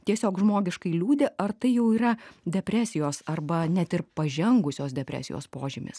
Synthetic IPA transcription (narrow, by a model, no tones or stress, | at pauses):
t̪ʲiɛsʲoːkʒmoːɡʲɪʃkɐɪlʲuːd̪ʲɪʔɐrt̪ɐɪjɛʊiːɾɐd̪ʲɛpʲɾʲæːsʲɪjoːsɐrbɐnʲɛt̪ɪrpɐʒʲɛŋɡʊsʲoːsd̪ʲɛpʲɾʲæ̰ːsʲɪ̰jo̰ːspoːʒʲɪmʲɪ̰s